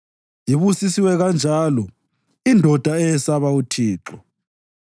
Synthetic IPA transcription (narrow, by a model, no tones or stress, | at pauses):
jiβusisiwɛɣand͡ʒʱaːlɔ | indʱɔd̥ʱaɛjɛsaβautʰiːǁɔ